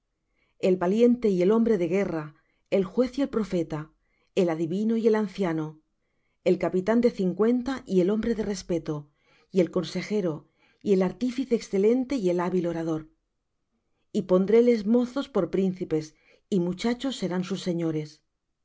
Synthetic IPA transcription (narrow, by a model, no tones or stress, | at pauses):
e̞lβalje̞nt̪e̞ie̞lo̞mbɾe̞ðe̞ɣe̞ra | e̞lxwe̞θie̞lpɾo̞fe̞t̪a | e̞laðiβinoie̞lan̟θjano | e̞lkapit̪and̪e̞θiŋkwe̞nt̪aʔie̞lo̞mbɾe̞ðe̞re̞spe̞t̪o | ie̞lko̞nse̞xe̞ɾo̞ | ie̞laɾt̪ifiθːksθe̞le̞nt̪e̞ie̞laβilo̞ɾað̞o̞ɾ | ipo̞nd̪ɾe̞le̞zmo̞θo̞spo̞ɾpɾinθipe̞s | imut͡ʃat͡ʃo̞sːe̞ɾansusːe̞ɲo̞ɾe̞s